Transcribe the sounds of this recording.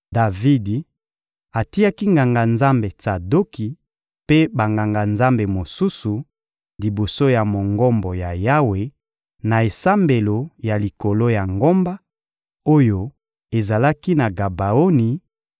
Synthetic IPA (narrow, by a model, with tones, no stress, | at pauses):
da˨vi˦di˨ | a˨ti˦ja˦ki˦ŋɡa˨ŋɡa˨nza˦mbe˨ta˨do˦ki˨ | pe˦ba˨ŋɡa˨ŋɡa˨nza˦mbe˨mo˨su˦su˨ | li˨bo˨so˦ja˨mo˨ŋɡɔ˦mbɔ˨ja˨ja˦we˨ | na˨e˨sa˦mbe˨lo˨ja˨li˨ko˨lo˦ja˨ŋɡo˦mba˦ | o˦jo˦ | e˨za˨la˦ki˦na˨ɡa˨ba˨o˦ni˨